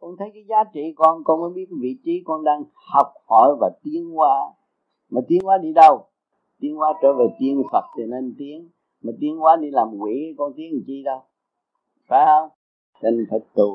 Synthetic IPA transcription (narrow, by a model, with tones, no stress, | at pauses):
kɔ˧nt̪ʰə˨˦jkaː˨˦jzaː˨˦t͡ɕḭ˧˨kɔ˧nkɔ˧nməː˨˦ɓi˦˥ət̚vḭ˧˨t͡ɕi˨˦kɔ˧nɗaː˧ŋ | hɔ˨˩wk͡p̚hɔ˧˩˦jvaː˨˩t̪i˦ənkwaː˧˦ | maː˨˩t̪i˨˦ənkwaː˨˦ɗi˧ɗə˧w | t̪i˧˦əŋkwaː˨˦˥t͡ɕəː˧˦ve˨˩t̪i˧ənfə˨˩t̚t̪i˨˩ne˧nt̪i˨˦əŋ | maː˨˩t̪i˧˦ənkwaː˨˦ɗi˧laː˨˩mkwḭ˧˩˦kɔ˧nt̪i˨˦əŋ˨˩t͡ɕi˧ɗə˧w | faː˨˦˧ | tə˧ŋfʰə˨˩t̪u˨˩